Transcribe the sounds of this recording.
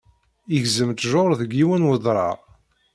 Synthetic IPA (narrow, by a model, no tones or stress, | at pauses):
iʝzəmt̪ʒoɾˤðəɡːiwənwəðˤɾˤɑ̰